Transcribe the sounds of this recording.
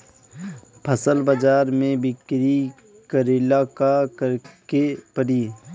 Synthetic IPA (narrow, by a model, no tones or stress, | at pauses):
pʰəsəlbəd͡ʒaːɾmẽbɪkɾi | kəɾɪlaːkakəɾkepəɽiː